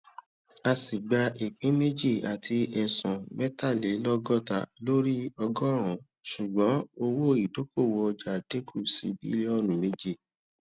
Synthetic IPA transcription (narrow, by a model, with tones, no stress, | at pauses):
a˧si˨ɡ͡ba˧i˨k͡pĩ˨˦me˦d͡ʒi˦˨a˨tʰi˧ɛ˨sɔ̃˨mɛ˦ta˦˨le˨˦lɔ˦ɡɔ˦˨ta̰˦˨lo˦ɾi˦ɔ˧ɡɔ˦ɾ̃ɔ̃˨˦ | su˨ɡ͡bɔ̃˨˦o˧wo˦i˨do˨˦ko˦˨wɔ˧ɔ˧d͡ʒa˨de˦kʰu˦˨sḭ˧˦bḭ˦le˦ɔ˦˨nũ˨me˦d͡ʒi˦˨